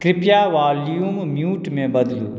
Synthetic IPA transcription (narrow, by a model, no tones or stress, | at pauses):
kɾɪpjaʋaːlijummjuːʈmẽbɐd̪lṵː